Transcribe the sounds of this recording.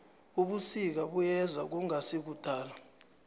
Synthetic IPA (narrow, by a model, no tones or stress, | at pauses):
uɓusik̬aɓujɛzak̬uŋasik̬ud̥ʱaːla